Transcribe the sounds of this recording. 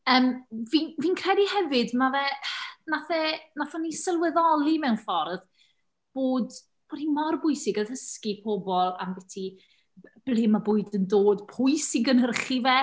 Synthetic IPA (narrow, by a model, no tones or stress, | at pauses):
əːmviːnviːnkʰrɛdihɛvɨdmavɛnaθɛnaθɛnisəlˠwɛðɔlˠimɛwnfɔrð | b̥oːd | b̥oːd̥himɔrbʊjsɪɡəðəskipʰɔbɔlˠa̰mbɛtʰi | b̥lˠɪmːabʊːɨdəndoːdpʰʊɨsiɡənhərχivɛ